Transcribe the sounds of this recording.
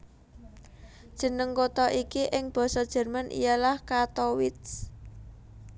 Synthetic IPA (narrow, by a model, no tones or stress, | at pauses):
d̥ʒ̥ə̤nəŋkot̪ɔʔikiʔɪŋb̥ɔ̤sɔd̥ʒ̥ɛ̤rmanʔḭjalahkat̪ɔwɪt̪̚s